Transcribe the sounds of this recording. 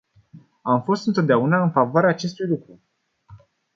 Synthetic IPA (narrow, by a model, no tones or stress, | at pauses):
amfo̞st̪ɨnt̪o̞t̪̚d̪eaunaɨnfavoaɾeaːt͡ʃe̞st̪ujlukɾu